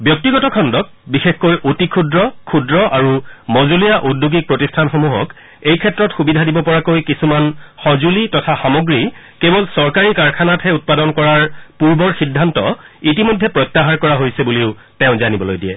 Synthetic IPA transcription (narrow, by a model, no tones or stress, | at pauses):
bjɔk̚tiɡɔtɔkʰɔndɔk̚bixexkojʔotikʰudɹɔkʰudɹɔʔaɹumɔzulijaʔudːjuɡik̚pɹotistʰanxomuɦɔk | ejkʰɛtːɹɔtxubidʱadibɔpɔɹakojkisumanxɔzulitɔtʰaxamoɡɹi | kebɔlsɔɹkaɹikaɹkʰanatʰɛut̚padɔnkɔɹaɹpuɹbɔɹxidʱːantɔ̰it̬imojdʱːɛpɹɔjtːaɦaɹkɔɹaɦojsɛbuliʊ | tɛʊ̃zanibɔlojdijɛ̰